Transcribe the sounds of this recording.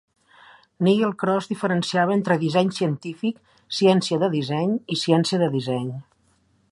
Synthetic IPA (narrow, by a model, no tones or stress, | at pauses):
niɣelˠkɾɔzðifəɾənsiaβəent̪ɾəðizɛɲsiənt̪ifik | siɛnsiəðəðizɛɲisiɛnsiəðəðizɛɲ